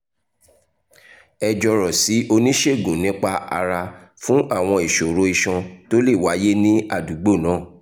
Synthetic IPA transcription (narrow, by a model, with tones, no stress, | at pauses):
ɛ˧d͡ʒɔ˧ɾɔ˨si˨˦ʔo˧nĩ˦ʃe˦˨ɡũ˨nĩ˨˦k͡pa˧a̰˧ɾa˧ | fũ˦ʔa˦˨w̃ɔ̃˧i˨ʃo˨ɾo˧˦i˧ʃɔ̃˧to˦le˦˨wa˨˦je˦nĩ˦a˦˨du˨˦ɡ͡bo˦˨nãː˨˦˨